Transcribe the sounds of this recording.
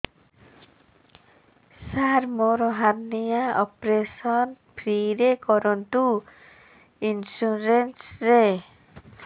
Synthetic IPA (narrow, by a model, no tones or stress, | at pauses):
saɾmɔɾɔɦaɾnijaɔpɾesɔn | pʰɾiɾekɔɾɔnt̪u | insuɾensɾe